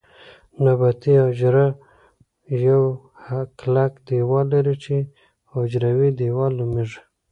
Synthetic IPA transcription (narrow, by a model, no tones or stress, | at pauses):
nabat̪iad͡ʒɾa | jaw | haklakd̪ewɑlaɾit͡ʃe | od͡ʒɾawid̪ewɑlomiʐ